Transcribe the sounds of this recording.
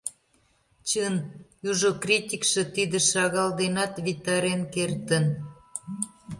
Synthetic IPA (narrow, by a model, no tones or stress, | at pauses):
t͡ɕənjuʒokrʲitʲikʃĕt̪id̪ə̆ʃɑɣɑld̪enɑt̪βit̪ɑɾenkert̪ən